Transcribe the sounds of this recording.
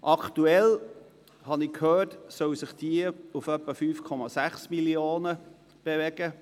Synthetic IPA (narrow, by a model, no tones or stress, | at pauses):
ʔɑktuɛl | hɑnɪkʰhøːtsœwsɪχd̥iəufœpːəfyːfkʰɔmɑsæχsmiljoːnə | b̥evɛɡ̥ə